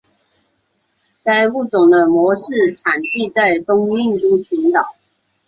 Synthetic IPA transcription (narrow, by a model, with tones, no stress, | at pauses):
t͡sa˥˧ɪu˥˩t͡sʊ˨˩ŋd̪ə˦mwɔ˧˥ʂɻ̩˥˩ʈ͡ʂʰa˨˩nt͡ɕi˥˧t͡sa˥˩ɪt̪ʊ˥ŋi˥˧ŋt̪u˥˩t͡ɕʰy˧˥nt̪ɑ˨˩˦ʊ